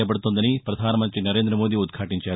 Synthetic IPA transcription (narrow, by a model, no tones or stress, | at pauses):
ɐp̬ɐɽut̪ond̪ɐnipɾɐd̪ʱaːnɐmɐnt̪ɾinɐɾe̞ːnd̪ɾɐmoːd̪iud̪̚ɡʰʱaːʈiɲt͡ʃaː